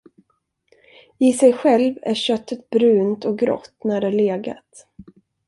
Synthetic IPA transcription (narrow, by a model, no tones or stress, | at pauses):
ɪsɛjɧɛlvæ̰ɕœt̪ʰːət̪̚bɾʉ̟ːnt̪ɔk̚ɡɾɔ̰t̪ːnæɖɛɭeːɡa̰t̪